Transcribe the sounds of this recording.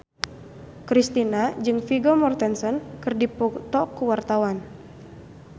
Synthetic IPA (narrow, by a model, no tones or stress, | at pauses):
kɾist̪inad͡ʒɨŋfiɡɔmɔrt̪ɛnsɔnkɨrdipɔt̪ɔkuwart̪awan